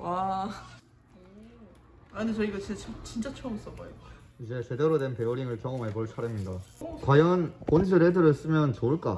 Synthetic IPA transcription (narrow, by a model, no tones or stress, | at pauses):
wa | aɯnet͡ɕʌiɡat͡ɕet͡ɕʰʌt͡ɕint͡ɕ͈at͡ɕʰoʌms͈ʌbʌe | id͡ʑe̞t͡ɕe̞deɾodwe̞npe̞uɾiŋɯɭkjʌŋʌmaɭpoɭt͡ɕʰaɾemɲidakwajʌnponsʰɯɾɦedɯɾʌɭs͈ɯmjʌnt͡ɕoɯɭk͈a̰